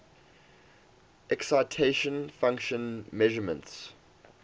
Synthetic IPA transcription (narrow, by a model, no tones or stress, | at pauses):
ʔɛksaɪtʰeʃə̃nfãŋkʃə̃nmɛʒəmə̰̃nts